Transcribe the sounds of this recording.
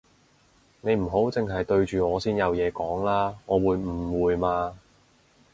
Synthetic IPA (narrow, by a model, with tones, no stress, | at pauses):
ne˨˧jm̩˨˩ɦo˨˥wt͡sɪ˨ŋɦɐ˨jt̪ɵ˧ɥt͡ʃyː˨ŋɔː˨˧siː˥njɐ˨˧wjɛː˨˧kɔː˨˥ŋlaː˥ŋɔː˨˧wuː˨˧jm̩˨˩wuː˨˧jmaː˧